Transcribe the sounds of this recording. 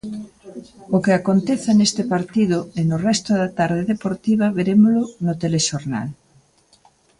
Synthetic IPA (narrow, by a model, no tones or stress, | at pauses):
ʊkeakont̪eθanest̪ɪpaɾt̪iðʊenʊrɛst̪ʊðat̪aɾðeðepoɾt̪iβ̞aβeɾemolʊnʊt̪eleʃoɾna̰l